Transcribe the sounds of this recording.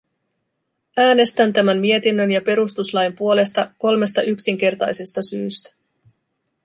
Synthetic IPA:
æːne̞st̪ænt̪æmænmie̞t̪inːønjɑpe̞ɾust̪uslɑjmpuo̞le̞st̪ɑko̞lme̞st̪ɑʔyksiŋk̟e̞rt̪ɑ̰jse̞st̪ɑsyːst̪æ̥

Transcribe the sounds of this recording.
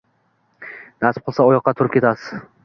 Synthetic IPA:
nasɪ̥p̚qɨlˠsaɒjɒqːɑt̪ʰʊɾɪp̚kʲe̞t̪ʰasɪz

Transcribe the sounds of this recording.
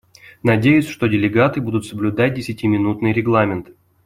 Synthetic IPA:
nɐdʲejʊsʲʂt̪odʲɪlʲɪɡat̪ɨbud̪ʊt̪səblʲʊd̪at̚ʲdʲɪsʲɪtʲɪmʲɪnut̪nɨjɾʲɪɡlˠamʲɪnt̪

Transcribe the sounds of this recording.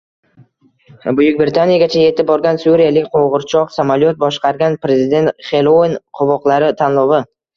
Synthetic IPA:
bʊjʊkʲbɾɪt̪ʰanijaɡʲat͡ʃʰaje̞t̪ɪp̚bɒɾɡʲansuɾijalɪkʲqʰoʁɨɾt͡ʃʰɒqsamaljot̪̚bɒʃqɑɾɡʲanpɾezɪd̪e̞nt̪χe̞lˠoinqʰʊvɒqlˠaɾɪt̪ʰanlˠɒvɪ

